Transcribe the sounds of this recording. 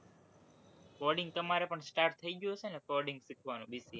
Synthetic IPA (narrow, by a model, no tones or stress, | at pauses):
kɔɾɖiŋɡ̚t̪əmaɾepəɳsʈaɾʈt̪ʰːəiɡjot͡ʃʰeənekɔɾɖiŋɡsikʰʋanũbisi